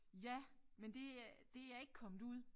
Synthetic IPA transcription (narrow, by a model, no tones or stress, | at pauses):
jæmend̥e̝d̥e̝æjɑ̈e̝ɡ̥kʰɒ̽md̥ˠuð̰ˠ